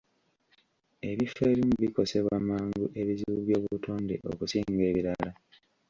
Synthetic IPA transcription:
e̞βifeːɾimuβiko̞se̞βwamaːŋɡuʔe̞βiziβuβjo̞ːβuutʰoːnde̞̰ʔo̰kusiːŋɡe̞ːβiɾala

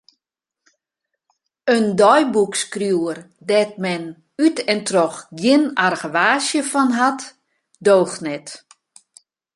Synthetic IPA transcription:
əndɔjbukskrjuər | dɛt̚mɛn | ytʰɛntrɔxɡjɪnarɣəʋaːsjəfɔnɦat | doːxnɛt

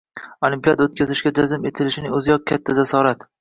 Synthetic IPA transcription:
olimpijad̪aot̪̚kʲʰazɪʃɡʲad͡ʒazɪme̞t̪ʰɪlɪʃɪnɪŋɵzɪjɒq̚kʲʰat̪ʰːazasɒɾat̪

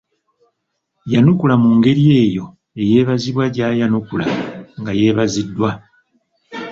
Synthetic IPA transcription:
janukulamuŋɡe̞ɾije̞ːjo̞ | e̞je̞ːβaziβwaɟaːjanukula̰ŋɡaje̞ːβazidːwa

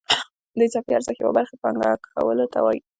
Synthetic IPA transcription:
d̪əjt͡sapiaɾzaxjawa̰baɾxepaŋɡakxa̰wəlot̪awaji

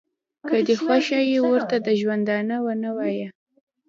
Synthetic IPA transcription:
kəd̪exwaʃɑjewəɾt̪ad̪əʒwand̪ɑnawanawɑja

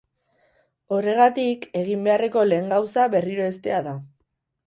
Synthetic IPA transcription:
o̞re̞ɣ̞at̪ike̞ɣ̞imbe̞are̞ko̞le̞ːŋɡawsaβe̞riɾo̞e̞st̪e̞aða

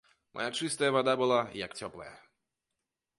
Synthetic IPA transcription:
mʔɔ̰jat͡ʂɨst̪ɐjɐvad̪abɨlˠajakt͡sʲɔplˠɐ̰jɛ

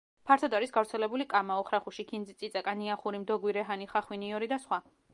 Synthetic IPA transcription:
pʰaɾt̪ʰɔd̪aɾisɡavɾt̪sʰɛlɛbulikʼamaɔχɾaχuʃikʰinzitsʼit̪sʼakʼaniaχuɾimd̪ɔɡwiɾɛɦaniχaχwiniɔɾid̪asχwa

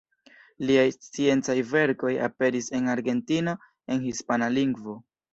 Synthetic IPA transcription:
liajt͡sie̞nt͡sajve̞ɾko̞ja̰pe̞ɾise̞naɾɡe̞ntino̞ | e̞nhispanaliŋɡvo̞

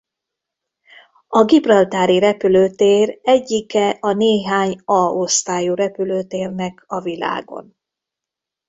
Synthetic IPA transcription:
ɒɡibrɒlt̪aːɾiɾɛpyløːt̪eːrɛɟːikɛʔɒneːɦaːɲɒost̪aːjuːɾɛpyløːt̪eːrnɛkɒvila̰ːɡo̞̰n

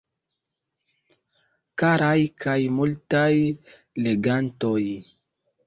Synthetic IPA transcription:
kaɾajkʰajmultaj | leɡantoj

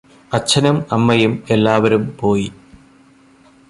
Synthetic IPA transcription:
ɐt͡ɕʰːɐnɐmɐmːɐjume̞lːaːʋɐɾumpo̞ːji

